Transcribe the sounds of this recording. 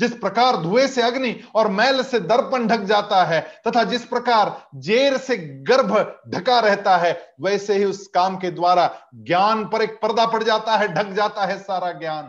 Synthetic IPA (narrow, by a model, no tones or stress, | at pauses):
d͡ʒɪspɾɐkaːɾd̪ʱuːeseɐɡniɔːɾmɛːlsed̪ɐɾpənɖʱɐk̚d͡ʒaːt̪aɦɛːt̪ɐt̪ʰad͡ʒɪspɾɐkaːɾd͡ʒeːɾseɡɐɾbʱɖʱɐkaɾɛɦt̪aɦɛʋɛːseɦiʊskaːmked̪waːɾaɡjaːnpɐɾeːk̚pɐɾd̪apɐɽd͡ʒaːt̪aɦɛɖʱɐk̚d͡ʒaːt̪aɦɛsaːɾaɡjaːn